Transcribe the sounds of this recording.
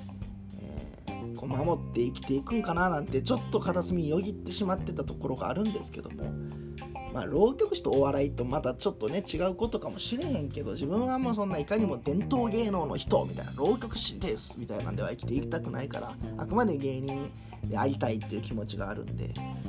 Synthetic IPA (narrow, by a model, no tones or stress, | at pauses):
ḛː | ko̞mamo̞t̪ːe̞ikʲi̥t̪e̞ikɯ̟̃ŋkananãnt̪e̞t͡ɕo̞t̪ːo̞kat̪asɨmʲijo̞ɡʲit̪ːe̞ɕimat̪ːe̞t̪at̪o̞ko̞ɾo̞ɡa̰ːɾɯ̟̃nd̪e̞sɨ̥ke̞d̪o̞̰mo̰ | ma̰ːɾo̞ːkʲo̞k̟ɕi̥t̪o̞ːβaɾait̪o̞mat̪at͡ɕo̞t̪ːo̞ne̞t͡ɕiɡaɯ̟ko̞t̪okamo̞ɕiɾeɦẽ̞ŋke̞d̪o̞ʑibɯ̟̃ɰ̃amoːsõ̞nːaikaɲ̟imo̞d̪ẽ̞nt̪o̞ːɡe̞ːno̞ːno̞̰çi̥t̪o̞̰mʲit̪aḭnaɾo̞ːkʲo̞kɯ̟̥ɕid̪esɨ̥mʲit̪aina̰nd̪e̞a̰ikʲi̥t̪e̞ikʲi̥t̪akɯ̟na̰ika̰ɾa̰a̰kɯ̟mad̪e̞ɡe̞ːɲ̟ĩn | d̪ea̰ɾʲit̪ait̪ːeiɯ̟ːkʲimo̞t͡ɕiɡa̰ːɾɯ̟̰̃nd̪e̞̰